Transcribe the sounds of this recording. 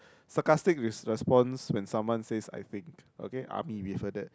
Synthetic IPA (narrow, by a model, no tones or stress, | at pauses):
sakastɪk̚ɹiɹɛspɔ̃nswɛ̃nsãmwãnsesa̰jt̪ĩŋko̰keʔa̰miwifədɛt̚